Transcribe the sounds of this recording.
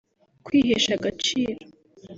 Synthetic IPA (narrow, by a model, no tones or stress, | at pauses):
kwiɦeʃaɡat͡ʃiːɾo